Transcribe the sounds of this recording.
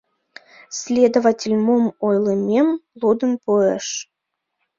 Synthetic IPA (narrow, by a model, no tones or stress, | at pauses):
sʲlʲed̪ovatʲelʲmomojlˠemʲemlˠud̪ənpueʃ